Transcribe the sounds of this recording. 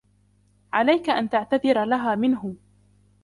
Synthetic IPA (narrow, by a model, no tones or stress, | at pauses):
ʕalajkaʔant̪aʕt̪aðɪɾalaɦaːmɪnɦʊ